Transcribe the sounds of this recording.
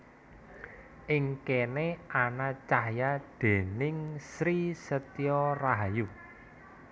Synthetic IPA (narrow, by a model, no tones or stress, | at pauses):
ʔɪŋkeneanat͡ʃahjad̪̥e̤nɪŋsɾisət̪iɔraɦaju